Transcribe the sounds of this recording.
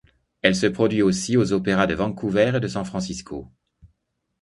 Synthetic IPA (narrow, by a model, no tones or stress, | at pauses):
ɛlsəpχɔd̪ɥiosiozɔpeʁad̪əvɑ̃kuvɛʁed̪əsɑ̃fχɑ̃siskʰo